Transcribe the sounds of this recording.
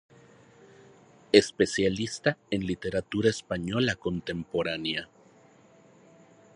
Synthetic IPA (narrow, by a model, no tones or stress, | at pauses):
espe̞sjalist̪aenlit̪e̞ɾat̪uɾaespaɲo̞lako̞nt̪e̞mpo̞ɾanja